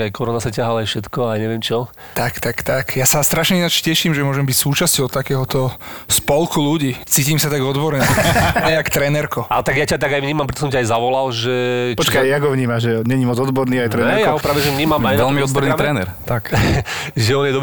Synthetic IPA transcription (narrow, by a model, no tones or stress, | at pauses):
ajkɔɾɔnasacaɦalajfʃɛt̪kɔajɲɛʋjɛmt͡ʃɔ | t̪akt̪akt̪akjasast̪ɾaʃɲɛinat͡ʃcɛʃimʒɛmʊɔʒɛmbicsuːt͡ʃascɔʊt̪akɛːɦɔt̪ɔspɔlkuluɟiːt͡siːciːmsat̪aɡɔd̪bɔɾɲɛajakt̪ɾɛnɛɾkɔa̰lɛt̪aɡjacat̪aɡajʋɲiːmampɾɛt̪ɔsɔmcaajzaʋɔlalʒɛpɔt͡ʃkajjaɡɦɔʋɲiːmaʒʒɛɲɛɲimɔd͡zɔd̪bɔɾniːajt̪ɾɛnɛɾjaɔɦɔpɾaːʋɛʒɛvɲiːmamajʋɛlmiɔd̪bɔɾniːt̪ɾɛːnɛ̰ɾt̪ak | ʒɛɔnjɛd̪ɔb